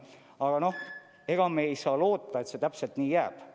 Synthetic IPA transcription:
ɑɡ̥ɑno̞h | e̞ɡ̥ɑmeːejsɑːlo̞ːt̪ːˑɑe̞t̪se̞t̪æpse̞lt̪niːjæːb̥

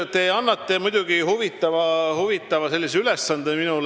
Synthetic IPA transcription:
t̪eɑnːɑt̪ːˑe̞mud̪̥ʲuɡ̥ihuvit̪ːˑɑvɑhuvit̪ːˑɑvɑse̞lːiseylesːɑnd̪eminul

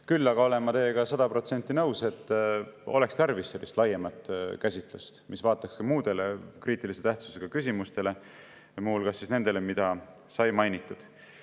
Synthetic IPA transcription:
kylːɑɡ̥ɑo̞le̞mɑt̪e̞jːeɡ̥ɑsɑd̪̥ɑpro̞t̪se̞nʲt̪ːˑinɤwse̞t̪ːo̞̰le̞kst̪ærvisːe̞lʔḭst̪lɑjemɑt̪ːˑkæsʲit̪ˑlṵst̪mʔisvɑːt̪ːˑɑkskɑmuːd̪e̞lekriːt̪ːˑilise̞t̪æht̪su̥se̞ɡ̥ɑkys̬ʲimust̪e̞le̞ | muhulkɑsːisne̞nd̪e̞le̞mid̪̥ɑ | sɑjmɑjnit̪ːˑud̪̥

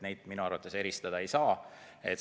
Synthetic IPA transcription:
ne̞jd̪̥̚minuɑɾrvɑt̪ːˑe̞se̞ɾist̪ɑd̪ɑe̞jsɑː | e̞t̪

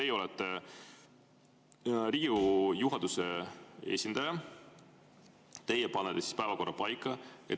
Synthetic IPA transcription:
t̪e̞jeo̞lɛt̪ːˑe | riɡujuɦɑd̪̥usee̞̰ːsʲind̪̥ɑjɑ | t̪e̞jepɑnːet̪ːˑesi̥spæevɑko̞rːɑpɑjkːˑɑe

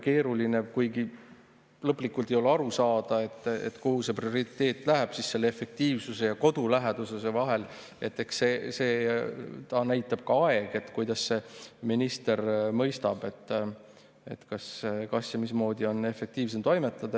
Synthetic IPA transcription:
ke̞ːɾuline̞kujɡi | lɤpːˑlikːˑult̪ˑejo̞leɑɾusɑːd̪̥ɑe̞t̪ːˑḛt̪ːkuhuse̞prio̞ɾit̪ˑːe̞ːt̪ːˑlæɦæb̥sisse̞lːeefe̞k̚t̪iːvsuse̞jɑko̞d̪̥ulæɦed̪̥usese̞vɑɦe̞l | e̞t̪ːˑe̞ksseːse̞ːt̪ɑnæjt̪ːˑɑb̥̚kɑɑe̞ɡ̥e̞t̪kujd̪̥ɑsːe̞minist̪e̞ɾmɤ̞jst̪ɑb̥e̞t̪ːˑ | e̞̰t̪kɑsːekɑsjɑmismo̞ːd̪io̞ne̞fe̞k̚t̪iːvs̬emt̪o̞jme̞t̪ːˑɑd̪̥ɑ

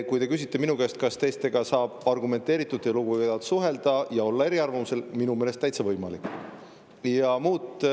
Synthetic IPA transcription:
kujt̪e̞kys̬it̪ːˑe̞minuɡeest̪kɑst̪e̞st̪e̞ɡɑsɑːb̥ɑrɡume̞nt̪ːˑe̞ːɾit̪ːˑud̪ːejluɡuvejd̪ɑt̪suɦe̞ld̪ɑjɑo̞lːɑe̞ɾiɑrvɑmuse̞lminume̞ːlest̪ːæjt̪sevɤjmɑlḭkː | jɑmuːt̪

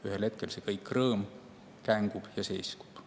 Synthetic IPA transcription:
yhelhe̞t̪̚ke̞lsekɤjkːˑrɤːm | kæŋɡ̥ub̥jɑse̞̰sku̥b̥

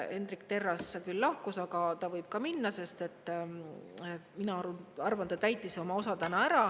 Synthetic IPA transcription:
e̞nd̪̥rikt̪e̞rːɑskyllɑhkusɑɡ̥ɑt̪ɑvɤjb̥kɑminːɑse̞st̪e̞t̪ːˑ | minɑɑruɑrvɑnt̪ːɑt̪æjt̪ːˑiso̞mɑo̞sɑt̪ænɑæɾɑ

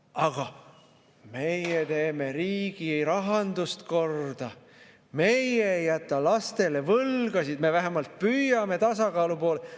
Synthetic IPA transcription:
ɑɡ̥ɑ | me̞jet̪e̞ːme̞ɾiːɡ̥iejɾɑɦɑnd̪̥ust̪ko̞rd̪̥ɑ | me̞jeːjæt̪ˑːɑlɑst̪e̞le̞vɤlɡ̥ɑsid̪me̞væɦemɑlt̪̚pyjɑme̞t̪ɑsɑkɑːlupo̞ːle

